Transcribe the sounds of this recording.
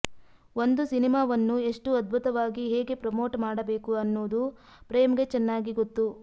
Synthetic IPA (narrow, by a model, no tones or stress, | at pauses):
o̞nd̪usinimaːʋɐnːue̞ʂʈuɐd̪̚bʱut̪ɐʋaːɡiɦeːɡe̞pɾɐmo̞ːʈmaːɽɐbe̞ːkuɐnːoːd̪u | pɾeːmɡe̞t͡ʃɛnːaːɡiɡot̪ːu